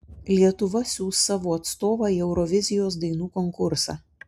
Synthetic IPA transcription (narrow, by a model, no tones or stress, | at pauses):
lʲiɛt̪ʊʋɐsʲuːst̪sɑːʋoːɐt̪st̪oːʋɑːiːɛʊɾɔʋʲɪzʲɪjoːs̬d̪ɐɪnuːkɔŋkʊɾsɑ̰ː